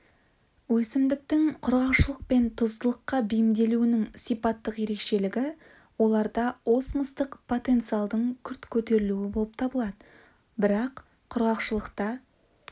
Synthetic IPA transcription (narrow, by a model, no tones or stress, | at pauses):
wɵsɪmd̪ɪk̚t̪ɪŋqʰʊɾʁɑwʃəlˠəq̚pe̞nt̪ʰʊzt̪əlˠəqːɑbijɪmd̪e̞luɪnɪŋsijpɑt̪ːəqje̞ɾe̞kʃe̞lɪɡʲɪ | wo̞lˠɑɾd̪ɑo̞sməst̪əqpʰo̞t̪e̞nt̪sijalˠd̪əɴkʲʰʏɾt̪kʲʰɵt̪e̞ɾɪluɪbolˠəp̚t̪ʰɑbəlˠɑd̪ə | bɪɾɑqʰː | ʊɾʁɑqʃəlˠəqt̪ɑ